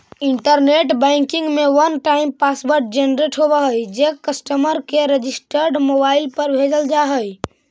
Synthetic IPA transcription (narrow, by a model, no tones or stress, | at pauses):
ɪ̃ɳʈəɾneːʈbɛ̃ːŋkɪ̃ŋɡmẽʋənʈaːɪmpaːsbəɾʈ̚d͡ʒenɾeːʈɦobaɦəid͡ʒekəsʈəməɾkeɾed͡ʒɪsʈəɾɖmoːbaːɪlpəɾbʱeːd͡ʒəld͡ʒaɦəi